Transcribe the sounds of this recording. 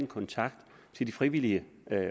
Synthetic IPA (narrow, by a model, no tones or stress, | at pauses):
nkʰɒnt͡sʰɑ̈ɡ̥d̥ | t͡sʰe̝ld̥ifʁiʋiliə